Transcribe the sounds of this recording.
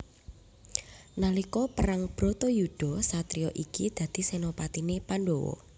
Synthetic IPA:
nalikɔpəɾaŋb̥ɾɔ̤t̪ɔjud̪̥ɔ̤sat̪ɾiɔʔikid̪̥ä̤d̪̥i̤senopat̪inepanɖowɔ̰

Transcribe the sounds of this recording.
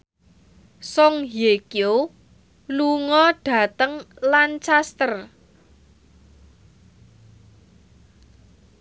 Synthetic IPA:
sɔŋɦjekjo | luŋɔɖ̥ä̤t̪əŋlant͡ʃast̪ər

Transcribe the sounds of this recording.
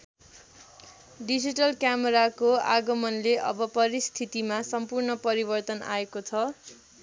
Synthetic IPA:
ɖid͡ziʈʌlkjameɾakoa̰ɡʌmʌnleʔʌ̰bʌpʌɾist̪ʰit̪imasʌmpurnʌpʌɾibʌrt̪ʌna̰ekot͡sʰʌ

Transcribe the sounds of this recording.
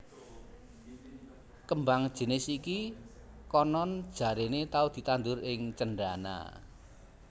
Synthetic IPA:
kəmbaŋd̥ʒ̥e̤nɪsiki | kɔnɔnd̥ʒ̥a̤ɾenet̪aud̪̥i̤t̪and̪ʊɾɪŋt͡ʃənɖana̰

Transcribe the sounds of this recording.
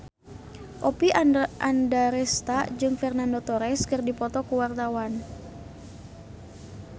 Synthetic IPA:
ʔɔpiandaɾɛst̪ad͡ʒɨŋfɛrnandot̪ɔɾɛskɨrdipɔt̪ɔkuwart̪awan

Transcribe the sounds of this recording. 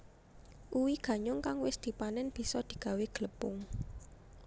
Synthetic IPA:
ʔuwiɡ̥ä̤ɲʊŋkaŋwɪsd̪̥i̤panɛnb̥i̤sɔd̪̥i̤ɡ̥ä̤weɡ̥ələpʊŋ

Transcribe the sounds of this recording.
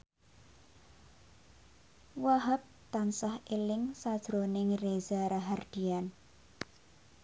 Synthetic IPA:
waɦap̚t̪ansahelɪŋsad̥ʒ̥ɾonɪŋrezaɾaɦard̪̥i̤an

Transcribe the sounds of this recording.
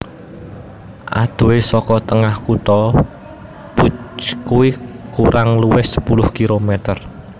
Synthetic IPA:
ʔa̰d̪̥o̤wesɔkɔt̪əŋahkut̪ɔ | pukuwikuɾʔaŋluwɪhsə̥pulʊhkilomɛt̪ər

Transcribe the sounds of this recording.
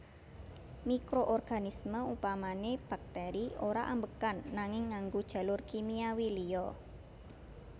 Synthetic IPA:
mikɾoʔɔrɡ̥a̤nisməupamaneb̥a̤k̚t̪ɛɾioɾaʔambəkanːaŋɪŋːaŋɡud̥ʒ̥ä̤lʊrkimiawilijɔ

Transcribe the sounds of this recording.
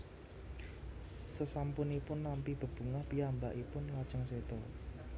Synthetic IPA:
səsampʊnipʊnːampib̥ə̤b̥ṳŋahpiamba̰ʔipʊnlad̥ʒ̥əŋsed̪̥ɔ

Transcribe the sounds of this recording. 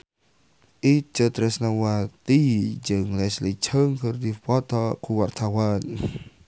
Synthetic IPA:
ʔiːt̪̚t͡ɕət̪ɾɛsnawat̪iːd͡ʒəːŋlɛslit͡ɕʰəŋkʰərd̪ifpɔt̪ʰɔkʰuwart̪ʰawaːn

